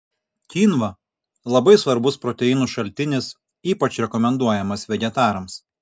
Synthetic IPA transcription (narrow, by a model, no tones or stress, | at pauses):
kʲiːnʋɐ | lˠɐbɐɪsʋɐɾbʊspɾɔt̪ʲɛɪːnuːʃɐlʲt̪ʲɪnʲɪs | iːpɐt͡ʃɾʲɛkɔmʲɛnd̪uɔjɛmɐsʋʲɛɡʲɛt̪ɑːɾɐms